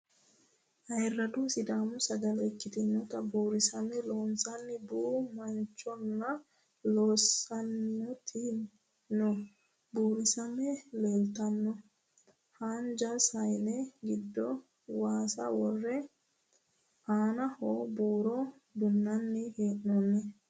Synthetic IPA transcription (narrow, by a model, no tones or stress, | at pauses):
ʔɐjrːɐd̪uːsɪd̪aːmʊsɐɡɐlɛkːɪt̪ɪnːɔt̪ɐbuːɾɪsɐmɛloːnsɐnːɪbuːmɐnt͡ʃːɔnːɐ | loːsɐnːɔt̪ʰɪ | nɔ | buːɾɪsɐmɛlɛlt̪ɐnːɔ | hand͡ʒɐsɐjnɛɡɪd̪ːɔ | waːsɐ̰wɔrːɛ | aːnɐhoːbuːɾɔ | d̪ʊnːɐnːɪheːʔnɔnːɛ